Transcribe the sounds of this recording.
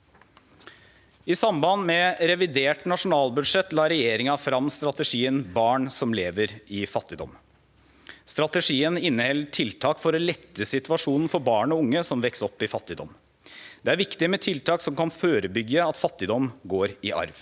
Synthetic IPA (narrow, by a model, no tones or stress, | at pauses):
ɪsɑmbɑnmɛɾɛʋɪd̪eːʈnɑʂʊnɑːlbʉd̪ʂɛt̪ːlɑːɾɛjeːɾɪŋɑfɾɑmst̪ɾɑt̪əʂiːənbɑːɳsɔmleːʋəɾɪfɑt̪ːɪd̪ɔ̰m | st̪ɾɑt̪əʂiːənɪnːəhɛlːəʈʰɪlt̪ʰɑːkfɔɾɔlɛt̪ːəsɪt̪ʋɑʂuːnn̩fɔɾbɑːɳɔʊŋːəsɔmʋɛksɔpːɪfɑt̪ːɪd̪ɔ̰m | d̪̥ɛæɾʋɪkt̪ɪmɛt̪ʰɪlt̪ʰɑːksɔmkɑnføːɾəbʏɡːəɑt̪fɑt̪ːɪd̪ɔmɡoːɾɪʔɑ̰ɾʋ